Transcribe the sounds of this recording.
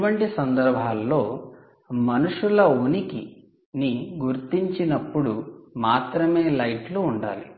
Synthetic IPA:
ʋɐɳʈisɐnd̪ɐɾbʱaːlːo̞ː | mɐnuʂulɐunikḭ | niɡuɾt̪iɲt͡ʃinɐpːuɽumaːt̪ɾɐme̞ːlɐjʈluːɳɖa̰ːlḭ

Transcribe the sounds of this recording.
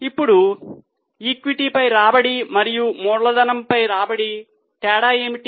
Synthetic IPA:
ipːuɽu | iːkʋiʈipɐjɾaːbɐɽimɐɾijumɔːɽɐlɐd̪ɐnɐmpɐjɾaːbɐɽi | ʈɛːɽaːeːmiʈi

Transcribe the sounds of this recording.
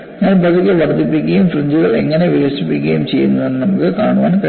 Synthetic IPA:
ŋːɐnepɐðikʲːɨʋɐrd̪ipːikʲːɐjumfruɲd͡ʑuɣɐɭe̞̰ŋːɐne̞ʋiʋɐsipːikʲːɐjumt͡ɕe̞jːunːɐðe̞nːɨnɐmukːɨkaːɳuʋa̰ːnk

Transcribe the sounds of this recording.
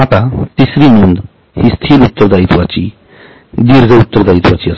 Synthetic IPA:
at̪at̪isɾinund̪ | hist̪ʰilut̪ːəɾd̪ait̪wat͡sḭ | d̪iɾd͡zəut̪ːəɾd̪ait̪wat͡siɐs

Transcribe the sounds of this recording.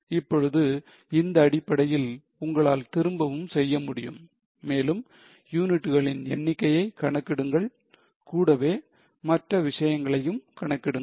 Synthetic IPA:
ɪpːɔɻɯðɯ | ɪnd̪ɐːɽɪpːɐɽɐjɪl | ʊŋɡɐɭaːlt̪ɪɾɯmbɐʋɯmsɛjːɐmʊɽɪjɯmː | eːlɯm | juːnɪʈːɯɣɐɭɪnɛnːɪkːɐjɐɪkɐɳɐkːɪɽɯŋɡɐɭ | kuːɽɐʋeː | mɐʈrɐʋɪʂɐjɐŋɡɐɭɐjɯmkɐɳɐkːɪɽɯŋ

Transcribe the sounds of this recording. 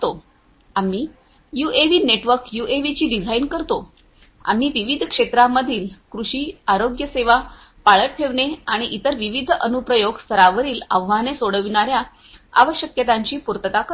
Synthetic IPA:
o | am̤iː | juʔeʋiːneʈʋəɾkjueʋit͡ɕiːɖid͡zʱainkəɾt̪o | a̰m̤iːʋiʋid̪ʱkʂet̪ɾamːəd̪ʱiːlkɾuɕiːaɾoɡjəseʋa | paɭəʈ̚ʈʰeʋɳeaɽ̃iʔit̪əɾʋiʋid̪ʱənupɾəjoɡst̪ʰəɾaʋəɾiːlaʋʋanesoɽəʋiɳaɾja | a̰ʋəɕjəkjət̪aɲt͡ɕiːpuɾt̪ət̪akə

